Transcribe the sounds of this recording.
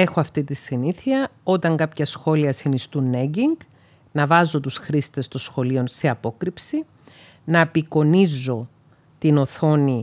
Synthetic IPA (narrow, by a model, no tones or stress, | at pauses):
e̞xoɐft̪it̪isiniθiɐo̞t̪ɐŋɡɐpçɐsxo̞liɐsinist̪unːeɟiŋɡ | nɐvɐzo̞t̪usxɾist̪e̞st̪o̞sxo̞lio̞nse̞ɐpo̞kɾipsi | nɐepiko̞nizo̞ | t̪ino̞θo̞ni